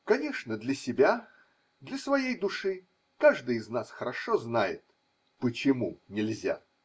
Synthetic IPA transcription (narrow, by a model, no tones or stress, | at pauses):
kɐnʲeʂnəd̪lʲəsʲɪbʲa | d̪lʲɐsvɐjejd̪ʊʂɨ | kaʐd̪ɨjɪznasxəɾɐʂoznajɪt̪ | pət͡ɕɪmunʲɪlʲzʲa̰